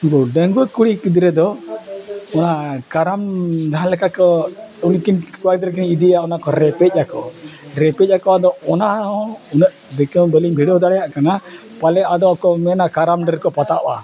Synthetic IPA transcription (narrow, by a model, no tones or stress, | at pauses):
kɔɖəŋɡut̪̚kuɽikid̪ɾɛd̪ɔ | ɔnakaɾamd̪ʱaãlɛkakɔunkinkuwakd̪ɾɛk̬inid̪iaɔnakɔɾɛpɛc̚ˀakɔɾɛpɛc̚ˀakɔad̪ɔɔnaɔ̃unəʔ | d̪ɛkɛwbəliŋbʱiɽɔd̪aɽɛjaʔkana | palɛad̪ɔakɔmɛnakaɾamɖəɾkɔpat̪aʔɔa̰